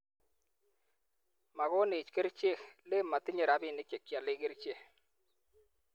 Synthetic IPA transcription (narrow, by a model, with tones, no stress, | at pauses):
ma˨ɣɔ˦nɪ˨t͡ʃke˦ɾt͡ʃe˦˨xle˦mːa˨t̪ɪ˦ɲe˨ɾa˦bɪ˦˨nɪ˦t͡ʃe˨kja˨lɪ˦ɡɪ˦ɾt͡ʃe˦